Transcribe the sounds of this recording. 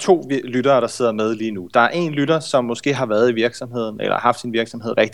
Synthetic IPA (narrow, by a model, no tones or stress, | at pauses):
t͡sʰo̝̰ːlyɾ̥ɐːɾ̥ɑ̈se̝ð̞̰ˠɐmeð̞ˠliːnud̥ɑ̈æɐʔe̝nlyɾɐsɒ̽mːɒ̽sɡ̥e̝̰ːɦɑ̈ʋæːɐðˠiʋiɐɡ̥sɒ̽mɦe̝ð̞̰ˠn̩ḛlɐ̰hɑ̈fd̥sinʋiɐɡ̥sɒ̽mhe̝ð̰ˠʁɛɡ̥d̥i̥